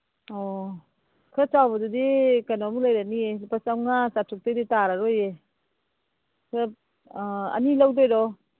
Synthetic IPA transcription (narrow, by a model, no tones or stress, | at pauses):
ɔ | kʰɯt͡ʃawbadudikanɔmulajɾaniepasawnasatʰuk̚tejditaɾaɾoje | kʰɯ | ɐ̰nilawdɔjɾɔ